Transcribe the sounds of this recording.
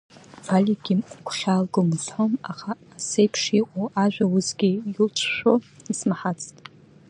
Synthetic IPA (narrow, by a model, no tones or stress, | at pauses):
fʰalʲiɡʲimʷkʷʰχʲaːlɡomzħomaχaːsejpʰʂiqʷʼowaʒʷᶣawʊzɡʲijɪlt͡ʃʷʰʃʷᶣo | ismaħat͡sʰʼtʼ